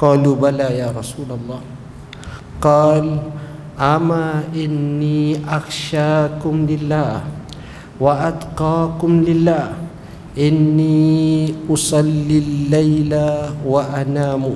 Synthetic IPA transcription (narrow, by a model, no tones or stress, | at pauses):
qɑːluːbalaːjaːɾˤɑsuːlalˤːɑː | qɑːl | ʔamaʔɪnːiːʔaxʃaːkʊmlɪlːaː | waʔad̪qɑːkʊmlɪlːaː | ʔɪnːiːʔʊsˤɑlːilːajlawaʔanaːmʊ